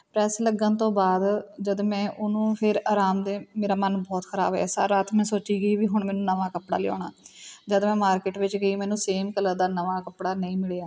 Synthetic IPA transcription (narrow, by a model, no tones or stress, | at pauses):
pɾɛːsləɡːənt̪õːbaːd̪d͡ʒəd̪mɛ̃ːʔʊnũːpʰɪɾaːɾaːmd̪eːmeːɾaːmənbɔːt̪kʰəɾa̰ːbɛ̰ːsa̰ɾaːt̪ʰmɛ̃ːsoːt͡ʃiːɡəiːʋiːɦʊɳmɛːnũːnəʋaːkəpɽa̰ːlɪɔ̰ːɳaːd͡ʒəd̪mɛ̃ːmaːɾkɪʈʋɪt͡ʃɡəiːmɛːnũːseːmkələɾd̪aːnəʋaːkəpɽaːnəĩːmɪɭeːaː